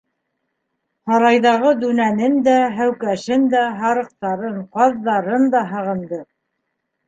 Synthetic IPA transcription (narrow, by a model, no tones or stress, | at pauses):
hɑɾɑjðɑʁɤd̪ʉnænɘnd̪æɦæwkæʃɘnd̪æɦɑɾɤ̆q̚t̪ɑɾɤɴqɑðːɑɾɤnd̪ɑɦɤ̆ʁɤ̆nd̪ɤ